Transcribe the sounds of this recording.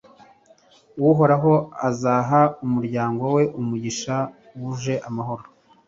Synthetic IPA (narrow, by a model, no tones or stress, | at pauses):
wuɦo̞ɾaɦo̞azaːɦaumuɾɟaːŋɡowe̞ʔumuɟiʃa | wuʒe̞ʔamaɦo̞ɾo